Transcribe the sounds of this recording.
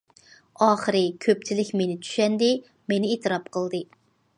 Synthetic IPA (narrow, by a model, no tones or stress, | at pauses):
ɑːχəɾɨkʲʰøp̚t͡ʃʰilɪkʲmenɪt͡ʃ̪ʰy̥ʃɛnd̪ɪ | menɪeːt̪ʰɨɾɑpqʰəlˠd̪ɨ